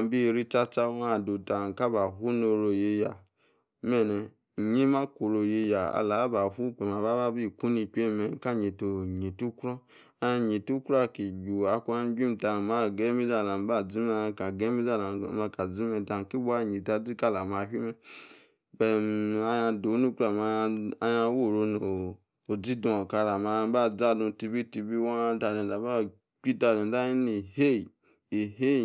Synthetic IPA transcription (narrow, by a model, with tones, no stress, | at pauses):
a˧˦bi˦˨ɾi˦t͡ʃa˧t͡ʃa˦a˦˨do˨ta˨n˨ka˦ba˨ɦu˦no˧ɾo˧je˧ja˨ | mɛ˨nɛ˨ | ɲi˦ma˦ko˨ɾo˨je˧ja˨a̰˧la˨˦ba˨hu˦k͡pɛ˨ma˨ba˦ba˦bi˦˨ku˦ni˧k͡pʲe˦˨mɛ˨ka˦˨ɲe˨to˨ɲi˨tu˦kɾɔ˦ | a˧ja˧ɲi˨tu˦kɾa˦˨ki˨ɡu˨a˧kʷu˦a˧˦bi˦m̩˨ta˧˨ma˦˨ɡɛ˦mi˦d͡za˦˨la˨m˨ba˦˨d͡zi˦ma˧ka˨ɡɛ˦mi˦za˦˨la˨˦ma˧ka˨d͡zi˦me˧ta˧˨ki˦ba˦˨ɲi˨ta˧di˦ka˧la˨ma˧ɦi˦mɛ˦ | be˧˨ma˧ja˧do˨˦nu˦kɾa˨ma˧a˧ja˧wo˦˨ɾo˧no˨ | o˨d͡zi˦dũ˧o˨ka˧la˨ma˧˦ba˦˨d͡za˦dũ˧ti˧bi˦ti˧bi˦wa˦˧ta˧˨le˨a˨˦ba˦ | k͡pi˦ta˧lẽ˨a˦ji˦ni˨he˦˨ | e˨ɦe˦˨